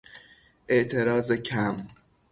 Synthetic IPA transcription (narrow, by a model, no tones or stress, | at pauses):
ʔe̞ʔt̪ʰe̞ɾɒːzecʰæm